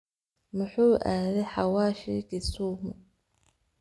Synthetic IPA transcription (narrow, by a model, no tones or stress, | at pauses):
mʊħuːʔaːðɛħawaːʃikisuːmʊ